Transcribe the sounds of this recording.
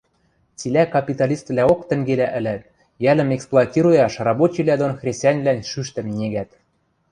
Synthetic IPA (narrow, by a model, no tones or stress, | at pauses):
t͡silʲækɑpʲit̪ɑlʲist̪βlʲæokt̪ə̆ŋɡelæʔɘ̆læt̪̚ | jælɘ̆meksplˠoɑtʲiɾojɑʃrɑbot͡ɕilæd̪onxrʲesʲt̪ʲɑnʲvlʲænʲʃyʃt̪ɘ̆mnʲeɡæt̪